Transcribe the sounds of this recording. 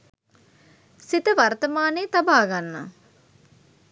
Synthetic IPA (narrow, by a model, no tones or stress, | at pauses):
sit̪əʋaɾt̪əmaːneːt̪abaːɡanːa̰